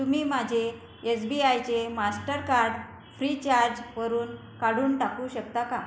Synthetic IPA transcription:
t̪umiːmad͡ʑʱeː | sbiajt͡ɕemasʈəɾkaɾɽ | fɾit͡ɕaɾd͡ʑʋəɾuːn | kaɽ̤uːnʈakuːɕək̚t̪aka

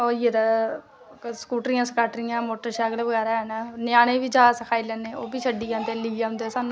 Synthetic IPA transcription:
oːijed̪aː | skuːʈɾijãːsəkaːʈɾɪjãːmoːʈəɾʃaːɡəlʋəɡɛːɾaːɦɛnaːnɪjaːñẽːʋiːd͡ʒaːsəkʰaːilɛːneːoːbiːt͡ʃʰəɖiːãːnd̪eːliːjãʊ̃nd̪eosaːnũː

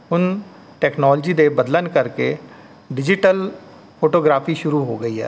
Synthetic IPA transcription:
ɦʊn | ʈɛːknɔːld͡ʒiːd̪eːbəd̪lənkəɾkeː | ɖɪd͡ʒɪʈəl | pʰoːʈoːɡɾaːpʰiːʃʊɾuːɦoːɡəiːɦɛ̰ː

